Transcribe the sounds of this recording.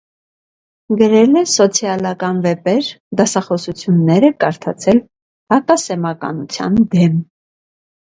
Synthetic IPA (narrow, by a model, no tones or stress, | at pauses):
ɡəɾɛlɛsɔt͡sʰjɑlɑkɑnvɛpɛɾ | d̪ɑsɑχɔsut͡sʰjunːɛɾəkɑɾt̪ʰɑ̰t͡sʰɛl | hɑkɑsɛmɑkɑ̰nut͡sʰjɑ̰nd̪ɛm